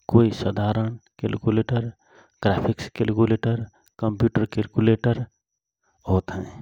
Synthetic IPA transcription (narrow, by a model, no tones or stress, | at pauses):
koisəd̪ʱaɾənkelkuleʈəɾ | ɡ̥ɾapʰikskelkuleʈəɾ | kəmpjuʈəɾkelkuleʈəɾ | ɦot̪ɦɛ̃